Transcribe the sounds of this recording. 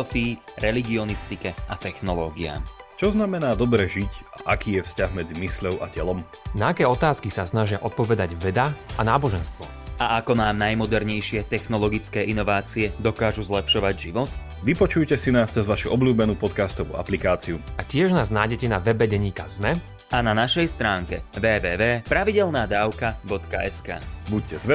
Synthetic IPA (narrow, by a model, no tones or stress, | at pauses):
fiːɾɛliɡiɔnist̪ikɛʔat̪ɛxnɔlɔːɡia̰t͡ʃɔznamɛnaːd̪ɔbɾɛʒicaʔakiːjɛfscaɣmɛd͡zimisʎɔʊʔa̰cɛlɔm | naakɛːɔt̪aːskisasnaʒɪaʔɔt̪̚pɔʋɛd̪aɟʋɛd̪aanaːbɔʒɛnst̪ʋɔ̰ | aakɔnaːmnajmɔd̪ɛɾɲɛjʃɪɛt̪ɛxnɔlɔɡit͡skɛːʔinɔʋaːt͡siɛd̪ɔkaːʒuzlɛpʃɔʋaɟʒiʋɔt̪ | ʋipɔt͡ʃujcɛsinaːst͡sɛzʋaʃuʔɔbluːbɛnuːpɔt̪kaːst̪ɔʋṵʔa̰plikaːt͡siuacɪɛʒnaːznaːjɟɛcɛnaʋɛbɛɟɛɲiːkazmɛ | ananaʃɛjst̪ɾaːŋkɛ̰ʋɛːʋɛːʋɛːpɾaʋiɟɛlnaːd̪aːʊkabɔt̪kaɛska̰ːbuc̚cɛzʋɛ